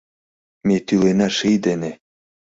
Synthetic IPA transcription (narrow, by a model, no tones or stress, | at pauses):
met̪ylenæʃijd̪enĕ